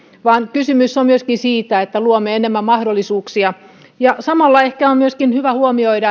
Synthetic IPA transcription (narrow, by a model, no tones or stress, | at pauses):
ʋɑːnkysymysːommyøskinsiːt̪æet̪ːæluomːˑeenemːæmmɑhdolːisuːksiɑ | jɑsɑmɑlːɑehkæommyøskinhyʋæhuomioidɑ